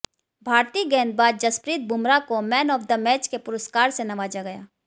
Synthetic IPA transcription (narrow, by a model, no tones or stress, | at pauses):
bʱaːɾt̪iːɡɛːn̚baːd̪̚d͡ʒɐspɾiːt̪̚bʱʊmɾakomɛːnɔːfd̪əmɛːt͡ʃkepʊɾʊskaːɾsenɐʋaːd͡ʒaɡɐjaː